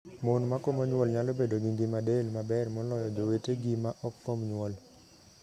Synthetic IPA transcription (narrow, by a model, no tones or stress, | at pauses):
monmakomoɲwɔlɲalobedoɡiŋɡimadelmabɛrmɔlɔjɔd͡ʒoweteɡimaʔɔk̚fomɲwɔl